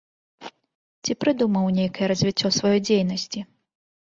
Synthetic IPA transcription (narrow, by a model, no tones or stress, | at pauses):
t͡sʲipɾɨd̪umɐwnʲejkɐjɛɾɐzʲvʲit͡sʲːɔsvɐjɔjd͡zʲejnɐsʲt͡sʲi